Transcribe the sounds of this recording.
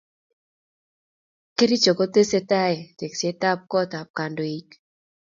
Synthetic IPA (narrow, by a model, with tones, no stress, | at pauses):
ke˦ɾi˦t͡ʃɔ˨kɔ˦te˦se˦ta˦ɛ˨te˨kse˦ta˦p̚kɔ˦ta˨p̚ka˨ndo˨i˦k